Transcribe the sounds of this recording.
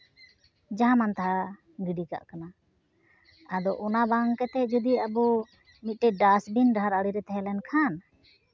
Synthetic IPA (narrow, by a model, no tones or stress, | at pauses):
d͡ʒaɦãmant̪aɦa | ɡiɖika̰ʔkana | ad̪ɔʔɔnabaŋkɛt̪ɛd͡ʒud̪iabu | mit̪̚ʈɛɖasbinɖaɦaɾaɽiɾɛt̪ɛɦɛlɛnkʰan